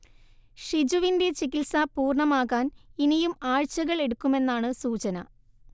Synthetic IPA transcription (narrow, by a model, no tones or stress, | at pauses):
ʂid͡ʑuʋinde̞t͡ɕikilsɐpuːrɳɐmaːɣaːninijumaːɻt͡ɕɐɣɐɭe̞ɽukːume̞nːaːɳɨsuːt͡ɕɐnɐ